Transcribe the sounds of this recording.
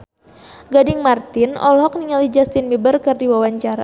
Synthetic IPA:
ɡadɪŋmart̪ɪnɔ̰lɦɔk̚niŋalid͡ʒast̪inmibərkɨrdiwawaɲt͡ʃaɾa̰

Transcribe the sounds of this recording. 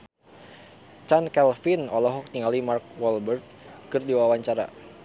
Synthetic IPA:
t͡ʃankɛlfinɔlɔɦɔk̚t̪iŋɡalimark̚wɔlbɛrt̪̚kɨrdiwawaɲt͡ʃaɾa̰

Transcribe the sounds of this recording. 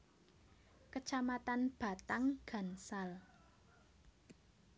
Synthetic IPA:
kət͡ʃamat̪anb̥a̤t̪aŋɡ̥a̤nsal

